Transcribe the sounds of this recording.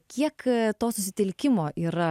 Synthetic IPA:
kʲiɛkt̪oːsʊsʲɪt̪ʲɪlʲkʲɪmoːʔiːɾɐ

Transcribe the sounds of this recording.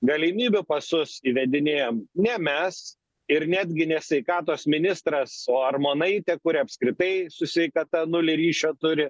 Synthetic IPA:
ɡɐlʲɪmʲiːbʲʊpɐsʊsiːʋʲɛd̪ʲɪnʲeːjoːmnʲɛmʲɛs | ɪɾnʲæːd̪ʲɡʲɪnʲɛsʲʋʲɛɪkɑːt̪oːsmʲɪnʲɪst̪ɾɐsoːɐrmoːnɐɪt̪ʲɛkʊɾʲɪɐpʲskɾʲɪt̪ɐɪsʊsʲʋʲɛɪkɐt̪ɐnʊlʲɪɾʲiːʃʲoːt̪ʊɾʲɪ

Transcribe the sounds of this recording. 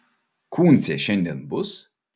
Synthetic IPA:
kʰuːnsʲeʃɛnʲd̪ʲɛnbʊs

